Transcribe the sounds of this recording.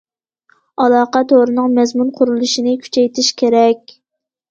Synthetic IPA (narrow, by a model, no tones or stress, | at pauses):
ɑlˠɑːqɑt̪ʰoʁɾɨnɨŋmɛzmunqʰʊɾulˠuʃinɪkʲʰy̥t͡ʃʰɛjt̪ʰɪʃkʲʰeɾɛkʲ